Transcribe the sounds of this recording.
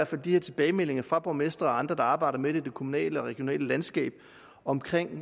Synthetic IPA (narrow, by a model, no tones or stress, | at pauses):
æɐ̰fæld̥iheɐ̰t͡sʰe̝b̥ɛːɪmel̰e̝ŋɐfʁɑ̈b̥ɒmesd̥ʁɐɒɑ̈nd̥ʁɐd̥ɑ̈ɑ̈ːb̥ɑ̈ɪ̰ɾ̥ɐmed̥ed̥e̝kʰo̝munɛ̰ːləɒ̽ʁɛɡ̥jo̝nɛ̰ːləlænsɡ̥ɛ̰ːb̥ | ɒ̽mkʰʁeŋ̰